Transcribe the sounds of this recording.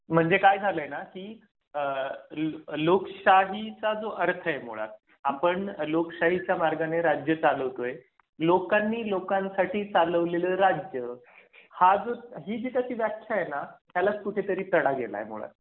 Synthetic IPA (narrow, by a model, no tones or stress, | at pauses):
m̤əɳd͡zekajd͡zʱaləjnahiː | lokɕaɦit͡sad͡zoʔəɾt̪ʰəemṵɭa̰t̪̚ | apəɳlokɕaɦit͡ɕjamaɾɡaneɾad͡ʑjət͡saləʋt̪oe | lokanːiːlokãnsaʈʰiːt͡saləʋleləːɾad͡ʑjə | had͡zoɦiːd͡ʑek̪əɕiːʋjakʰjajenat̪ʰjalat͡skuʈʰet̪əɾiːt̪əɽaɡela̰jḛm̤ṵɭa̰t̪